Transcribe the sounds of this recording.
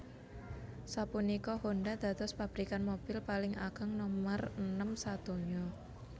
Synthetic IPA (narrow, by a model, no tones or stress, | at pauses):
sapunikɔhoɳɖad̪̥ä̤t̪ɔspab̥ɾikanmob̥ɪlpalɪŋa̰ɡ̥əŋnɔmərənəmsat̪uɲɔ